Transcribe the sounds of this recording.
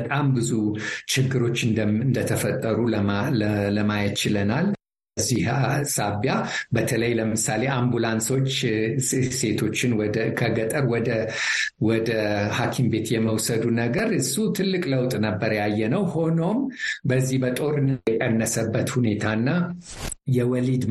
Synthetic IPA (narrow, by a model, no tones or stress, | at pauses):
bət̪ʼambɨzut͡ʃɪɡːɨɾo̞t͡ʃːɨnnd̪ət̪ʰəfət̪ʼːəɾu | ləmajt̪t͡ʃɪlənal | zːihsaβjabət̪ʰələjləmɨsale̞ambulanso̞t͡ʃː | se̞t̪ʰo̞t͡ʃːɪnd̪kʰəɡət̪ʼəɾwɔd̪ə | wɔd̪əhakʰimbe̞t̪jɛməwsəd̪unəɡəɾɨsːut̪ʰɨlːɨkʼləwt̪ʼnəbːəɾjajːɛnəwho̞no̞mbəzːihbət̪ʼo̞ɾɨnkʼənːəsəbːət̪hune̞t̪ʰanːa | jɛwɔlid̪